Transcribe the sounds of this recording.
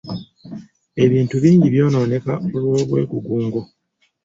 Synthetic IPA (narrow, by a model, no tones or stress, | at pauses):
e̞βiːntuβiːɲɟiβjo̞ːnaone̞kaolwoːβwe̞̰ːkuɡuːŋɡo